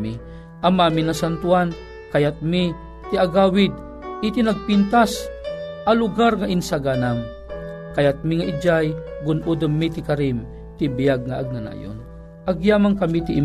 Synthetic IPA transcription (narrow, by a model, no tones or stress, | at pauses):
i | ʔamaːminɐsant̪uan | kɐjat̪̚mi | t̪ɪaɡaːwɪd̪̚ | ɪt̪ɪnaɡ̚pint̪asʔɐlʊɡaɾŋaʔɪnsaɡanaŋ | kɐjat̪̚miŋaʔɪd͡ʒajɡʊnʔud̪omːit̪ɪkaɾim | t̪ɪbɪjaɡ̚ŋaʔaɡ̚nana̰jo̰n | ʔaɡjaːmaŋkɐmit̪ɪʔɪ